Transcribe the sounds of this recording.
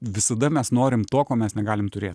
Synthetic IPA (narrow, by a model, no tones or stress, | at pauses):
ʋʲɪsɐd̪ɐmʲɛsnoːɾʲɪmt̪oːkoːmʲɛsnʲɛɡɑːlʲɪmt̪ʊɾʲeːt̪